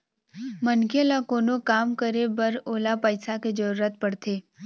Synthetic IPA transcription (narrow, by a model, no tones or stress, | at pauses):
mənkelakoːnokaːmkəɾebəɾoːlapəɪsaked͡ʒəɾuːɾət̪̚pəɽt̪eː